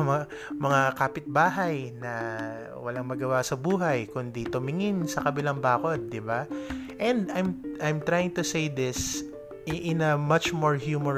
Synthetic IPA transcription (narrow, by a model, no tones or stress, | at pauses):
mɐŋakaːpɪt̪̚baːɦɐjnɐ | wɐlaŋmɐɡɐwasɐbuːɦɐjkʊnd̪it̪ʊmɪŋɪnsɐkɐbɪlaŋbaːkod̪̚ːɪbaʔɛ̃nd̪ajmʔajmt̪ɹajɪ̃ŋt̪ʊsejd̪ɪs | ʔɪnɐmɐt͡ʃmoɹhjuːmo